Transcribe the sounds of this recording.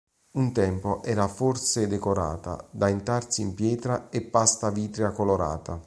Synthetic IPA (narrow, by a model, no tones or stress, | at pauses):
unt̪ɛmpoʔɛːɾaforsed̪ekoɾa̰ːt̪a̰d̪aent̪ɾarsiːmpjɛːt̪ɾaepːast̪aviːt̪ɾjakoloɾa̰ːt̪ʰa